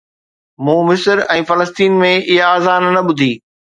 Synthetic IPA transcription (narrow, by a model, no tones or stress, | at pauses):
mũːmɪsəɾɛ̃ːfɐləst̪iːnmẽɪɦaːzaːnnɐɓʊd̪ʱiː